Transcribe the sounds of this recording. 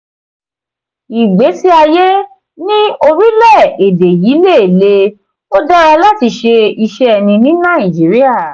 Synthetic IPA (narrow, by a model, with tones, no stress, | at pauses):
i˨ɡ͡be˨˦si˦a˧je˦ | nĩ˦o˧ɾi˦lɛ˦˨e˨de˨ji˨˦le˦˨e˨le˧ | o˦da˦ɾa˧la˦ti˧ʃe˧i˧ʃɛ˦ɛ˧˨nĩ˧nĩ˦nã˦˨ĩ˨d͡ʒi˨˦ɾi˦a˦˨